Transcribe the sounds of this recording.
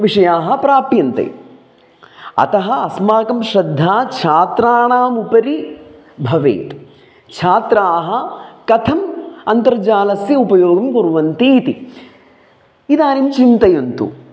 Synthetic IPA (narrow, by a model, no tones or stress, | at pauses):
ʋiʂɐjaːɦɐ̆pɾaːpjɐnt̪ɐ̰j | ɐ̰t̪ɐɦɐɐsmaːkɐmʃɾɐd̪ʱːaːt͡ʃʰaːt̪ɾaːɳaːmupɐɾi | bʱɐʋḛːt̪ | t͡ʃʰaːt̪ɾaːɦɐ̆kɐt̪ʰɐmɐnt̪ɐɾd͡ʒaːlɐsjɐupɐjoːɡɐmkoɾuʋɐnt̪iːt̪i | id̪aːnimt͡ʃint̪ɐjɐnt̪ṵ